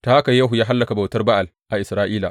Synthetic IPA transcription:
taː˦ʔa˦ka˨jːaː˦ɦu˨jaː˦ɦa˦lːɐ˨ka˨ba˨wtɐ˦rba˦ʔa˨lʔa˨ʔɪ˨sɾaː˦ʔiː˦la̰ː˨

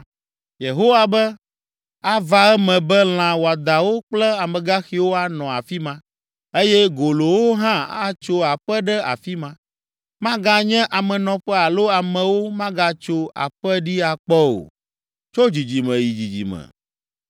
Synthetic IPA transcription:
je˨ɦo˦wa˨bɛ˦ | a˦va˨ɛ˦mɛ̃˨bɛ˦l̃ã˨wo˨a˨d̪a˨wo˦k͡plɛ˦a˨mɛ̃˨ɡa˦xi˨wo˦a˨nɔ̃˨a̰˨fi˦mã˦ | e˦jɛ˦ɡo˨lo˨wo˦ɦã˦a˦t͡ʃo˦a˨ɸɛ˦ɖɛ˦a̰˨fi˦mã˦ | mã˦ɡa˦ɲɛ̃˦ʔa˨mɛ̃˨nɔ̃˨ɸɛ˦a˨lo˦a˨mɛ̃˨wo˦mã˦ɡa˦t͡ʃo˦a̰˨ɸɛ˦ɖi˦a˨k͡pɔ˦o̰˨ | t͡ʃo˦d͡ʑi˨d͡ʑi˨mɛ̃˨ji˨d͡ʑi˨d͡ʑḭ˨mɛ̰̃˨

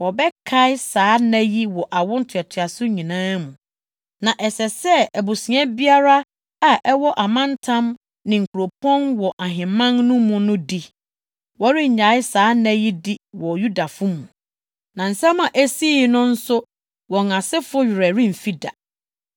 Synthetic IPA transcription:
wɔ˨bɛ˦kʰa˦ɪ˦saː˦næ̃˦ji˦wɔ˨ʔa˨wʊ̃˦n̩˦tʰɪ˨ɛ˨tʰɪ˨a˨sʊ˦ɲĩ˨nãː˦mũ˨ | nã˨ʔɛ˨sɛ˨sɛ˦æ˨bu˨sĩ˨˦ɛ̃˦bi˦a˦ɾa˦ | a˨ʔɛ˦wɔ˦ʔa˨mã˦ntʰã˦m | nɪ̃˨ŋ̩˨kʰu˨ɾo˨pʰɔ̃˦nwɔ˨ʔa˨ɦɪ̃˨mã˦ŋnʊ̃˦mʊ̃˨nʊ̃˦di˦ | wɔ˦ɾɪ˦˨ɲa˨˦ɪ˦saː˨˦næ̃˦ji˦di˦wɔ˨ju˦da˨fʊ˦mũ˨ | nã˨n̩˨sɛ̃˦mã˨ʔæ˦si˦˨˦nʊ̃˦n̩˦sʊ˦ | wɔ̃˨ŋã˨sɪ˦fʊ˦ɥɪ˨ɾɛ˨ɾĩ˦m̩˨fi˦da̰˨

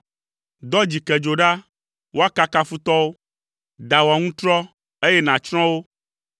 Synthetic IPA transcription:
d̪ɔ˦d͡ʑi˨kɛ˨d͡ʒo˨ɖa˦ | wo˦a˦ka˦ka˦fu˦t̪ɔ˦wo˦ | d̪a˨wa˨ŋũ˦t̪ɾɔ˦ | e˦jɛ˦nã˨t͡ʃɾ̃ɔ̃˦wo˦

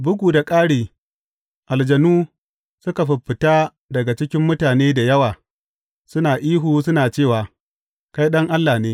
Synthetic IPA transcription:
bʊ˦ɡʷuː˨da˨kʼaː˦ɽeː˨ | ʔa˨ld͡ʒɐ˨nuː˦ | sʊ˦ka˨ɸɪ˨ɸɪ˨taː˦ | dɐ˨ɡa˨t͡ʃɪ˦kʲɪ˦mːʊ˦taː˨neː˦da˨jɐ˦waː˨ | sʊ˦naː˨ʔiː˦ɦuː˨s̬ʊ˦naː˨t͡ʃeː˦˨waː˨ | ka˦jɗɐ˦ŋʔa˦lːaː˨neː˦

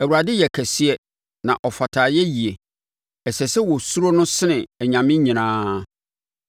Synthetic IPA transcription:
æ˨wu˨ɾa˨dɪ˦jɛ˨kʰæ˨si˦ɛ˦ | nã˨ʔɔ˨fa˨tʰaː˨jɛ˦ji˨e˨ | ɛ˨sɛ˨sɛ˦wɔ˨su˦ɾo˦nʊ̃˦sɪ˦nɪ̃˨ɲã˨mɪ̃˦ɲĩ˨ñãː˦

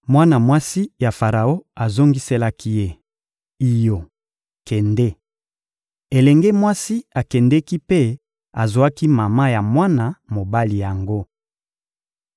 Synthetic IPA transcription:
mwa˦na˨mwa˦si˦ja˨fa˨ʁa˨o˦a˨zo˦ŋɡi˦se˦la˦ki˦je˦ | i˨jo˨ | kɛ˨ndɛ˦ | e˨lɛ˨ŋɡe˦mwa˦si˦a˨kɛ˨ndɛ˦ki˦pe˦ | a˨zo˨a˦ki˦ma˨ma˦ja˨mwa˦na˨mo˨ba˦li˨ja˨ŋɡo˦

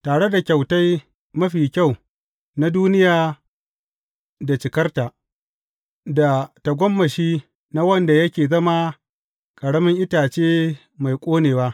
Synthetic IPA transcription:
taː˨ɽe˦da˨kʲa˨wta˦j | mɐ˦ɸiː˨kʲa˦˨w | na˦duː˦nɪ˦jaː˨ | da˨t͡ʃɪ˨kɐ˦rta˨ | da˨ta˨ɡʷɔ˦mːɐ˨ʃiː˦ | na˦wɐ˦nda˨jɐ˦kʲeː˨zɐ˦ma˦ | kʼɐ˨ɽɐ˦mɪ˦ŋʔɪ˦taː˨t͡ʃeː˦ | ma˨jkʷʼoː˦neː˨waː˦

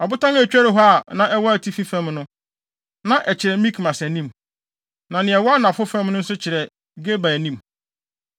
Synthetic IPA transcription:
ɔ˨bʊ˦tʰã˦n˦æ˨t͡ɕᶣæ˦ɾɪ˨˦ɦɔ˦a˨nã˨ɛ˦wɔ˦æ˨tʰi˦fi˦fɛ̃˦mnʊ̃˦ | nã˨ʔɛ˨t͡ɕʰɪ˨ɾɛ˨mĩ˦kʰmã˨sɛ˨nĩ˦m | nã˨nɪ̃˨ɛ˨wɔ˦a˦nã˨fʊ˦fɛ̃˦m˦nʊ̃˦n̩˦s̬ʊ˦t͡ɕʰɪ˨ɾɛ˨ | ɡe˦ba˨nĩ˦m

